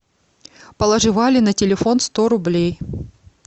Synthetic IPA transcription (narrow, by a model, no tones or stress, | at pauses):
pəlˠɐʐɨvalʲɪnɐtʲɪlʲɪfo̞nst̪o̞ɾʊblʲej